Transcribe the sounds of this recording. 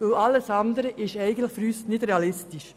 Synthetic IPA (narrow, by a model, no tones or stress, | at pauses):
əɑlːəsɑnd̪əɾəʔɪʃæɪɡən̩t̪lɪχfɾyːstnɪd̥ɾɛɑlɪstɪʃ